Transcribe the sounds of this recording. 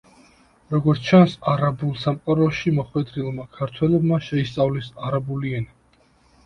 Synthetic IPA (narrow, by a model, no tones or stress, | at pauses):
ɾɔɡɔɾt̪ʰt͡ʃʰansaɾabulˠsamqʼaɾɔʃimɔχwɛd̪ɾilˠmakʰaɾt̪ʰwɛlɔbmaʃɛist̪sʼavlisaɾabuliɛni